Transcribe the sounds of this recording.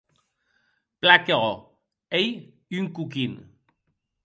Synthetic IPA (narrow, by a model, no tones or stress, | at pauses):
plakeɣo | ej | yŋkukin